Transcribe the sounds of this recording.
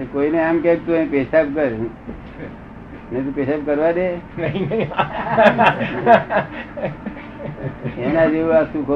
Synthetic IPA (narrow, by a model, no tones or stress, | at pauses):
koineamkek̚t̪uĩpesap̚kəɾ | net̪ũpesap̚kəɾʋad̪enəinəi | enad͡ʒeuasũkʰo